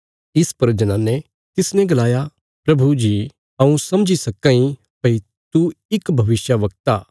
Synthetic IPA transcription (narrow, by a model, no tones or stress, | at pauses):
ɪspɐɾd͡ʒɐnãːnɛ | t̪ɪsnɛ̃ɡɐlaːja | pɾɐbʱud͡ʒi | ɐũsɐ̃md͡ʒisɐkãːĩ | pɐi | t̪uɪkbʱɐʋɪsjaʋɐk̚t̪aː